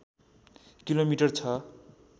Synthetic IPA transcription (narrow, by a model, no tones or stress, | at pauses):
kilomiʈʌrt͡sʰʌ